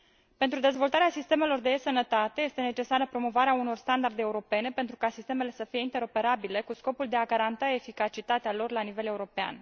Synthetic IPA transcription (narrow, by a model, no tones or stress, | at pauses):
pe̞nt̪ɾud̪e̞zvo̞lt̪aɾeasist̪e̞me̞lo̞rd̪esənət̪at̪e̞je̞st̪ene̞t͡ʃe̞saɾəpɾo̞mo̞vaɾeauno̞rst̪and̪ard̪eːuɾo̞pe̞ne̞pe̞nt̪ɾukasist̪e̞me̞le̞səfije̞int̪e̞ɾo̞pe̞ɾabile̞kusko̞puld̪e̞aɡaɾant̪ae̞fikat͡ʃit̪at̪ealo̞rlanive̞le̞uɾo̞pea̰n